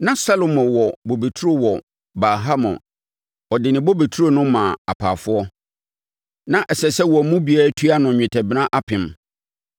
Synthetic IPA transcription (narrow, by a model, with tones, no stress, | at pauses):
nã˦sa˦lo˨mɔ̃˨wɔ˨bo˨be˨tʰu˦ɾo˦wɔ˨ | ba˨ɦa˦mɔ̰̃˨ | ɔ˨dɪ˨nɪ̃˨bɔ˦be˨tʰu˦ɾo˨nʊ̃˦mã˨a̰˨pʰa̰ː˨fʊ˦ɔ˦ | nã˦ʔɛ˨sɛ˨sɛ˦wɔ˨˦mũ˦bi˨aː˨˦tʰu˦a˦nʊ̃˨ɲᶣɪ̃˨tʰɛ˨bɪ˦nã˦ʔa˦pʰɪ̃˨m